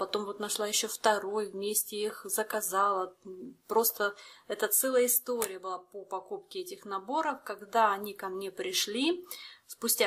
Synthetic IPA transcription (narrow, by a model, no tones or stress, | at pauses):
pɐt̪o̞mvo̞t̪nɐʂlˠajɪɕːoft̪ɐɾo̞jvmʲesʲtʲɪixzəkɐzɑlˠəpɾo̞st̪əɛt̪ət̪sɛlˠəjəɪst̪o̞ɾʲɪjəbɨlˠapopɐkupkʲɪɛtʲɪxnɐbo̞ɾəfkɐɡd̪aɐnʲikɐmnʲe̞pɾʲɪʂlʲispʊsʲtʲa